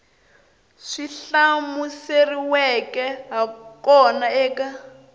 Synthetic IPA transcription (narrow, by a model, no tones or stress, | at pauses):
ʂiɬamuseriwɛkɛɦakɔnaɛːka